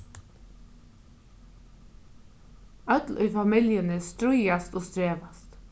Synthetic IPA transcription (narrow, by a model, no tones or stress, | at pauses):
œt̪lʔʊ̰jfamɪljənɪst̪ɾʊjast̪oːst̪ɾeːʋast̪